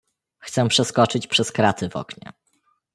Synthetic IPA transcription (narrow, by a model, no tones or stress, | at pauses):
xt̪sɛpʂɛskɔt͡ʂɘt͡ɕpʂɛskɾat̪ɘvɔ̰kɲɛ̰